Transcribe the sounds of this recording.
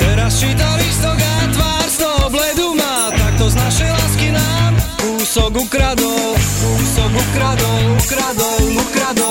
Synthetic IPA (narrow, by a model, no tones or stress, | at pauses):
t̪ɛɾast͡ʃiːt̪̬alist̪ɔɡat̪ʋaːɾst̪ɔɦɔblɛd̪uma | t̪ak̚t̪ɔznaʃɛjlaskinaːmkuːsɔɡukɾad̪ɔʊkuːsɔɡukɾad̪ɔukɾad̪ɔʊnukɾad̪ɔ